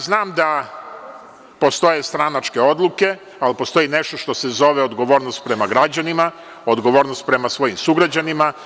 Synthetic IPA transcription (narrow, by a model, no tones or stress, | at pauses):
znaːmd̪a | po̞st̪o̞je̞st̪ɾanat͡ʃke̞o̞d̪lˠuke̞ | alpo̞st̪o̞jineʃt̪o̞ʃt̪o̞sezo̞ʋeo̞d̪ɡo̞ʋo̞ːɾnost̪̚pɾe̞maɡɾad͡ʑanima | od̪ɡo̞ʋo̞ːɾnost̪̚pɾe̞masʋo̞jimsuɡɾad͡ʑanima